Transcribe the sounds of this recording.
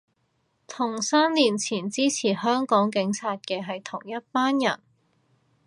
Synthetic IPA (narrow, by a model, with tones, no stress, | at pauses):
t̪ʰʊ˨˩ŋsaː˥nliː˨˩nt͡sʰiː˨˩nt͡siː˥t͡sʰiː˨˩hœː˥ŋkɔː˨˥ŋkɪ˨˥ŋt͡sʰaː˧t̚kɛː˧ɦɐ˨jt̪ʰʊ˨˩ŋjɐ˥t̚paː˥njɐ̰˨˩n